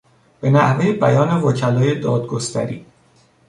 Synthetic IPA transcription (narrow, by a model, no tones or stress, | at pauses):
b̥e̞næhve̞jebæjɒːne̞vɒːcʰælɒːje̞d̪ɒːd̪ɡost̪ʰæ̰ɾiː